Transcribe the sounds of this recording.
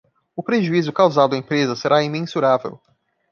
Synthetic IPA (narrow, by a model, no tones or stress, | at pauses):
ʊpɾeʒuizʊkawzad̪ʊɐẽpɾezɐseɾʔaimẽsuɾavḛw